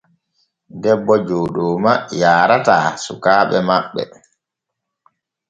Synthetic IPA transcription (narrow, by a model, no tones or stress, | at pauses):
dɛbːɔd͡ʒoːɗɔːmajaːɾataːsukaːɓɛmaɓːɛ̰